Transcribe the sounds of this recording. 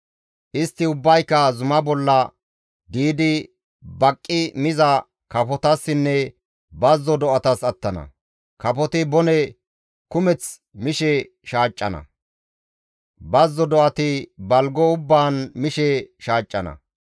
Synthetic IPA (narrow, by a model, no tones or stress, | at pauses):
ʔɪst̪ːɪʊbːɐjkːɐzʊmɐbɔlːɐ | d̪iːd̪ɪ | bɐkʼːɪmɪzɐ | kɐpɔt̪ɐsːɪnːɛ | bɐzːɔd̪ɔʔɐt̪ɐsɐt̪ːɐnɐ̰ | kɐpɔt̪ɪbɔnɛ | kʊmɛt͡s | mɪʃɛ | ʃaːt͡ʃʼːɐnɐ̰ | bɐzːɔd̪ɔʔɐt̪ɪbɐlɡɔʊbːaːnmɪʃɛʃaːt͡ʃʼːɐnɐ̰